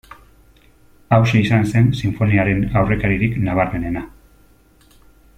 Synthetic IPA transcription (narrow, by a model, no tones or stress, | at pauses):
awseisanse̞nsiɱfo̞niaɾe̞nawre̞kaɾiɾiknaβ̞aɾme̞ne̞na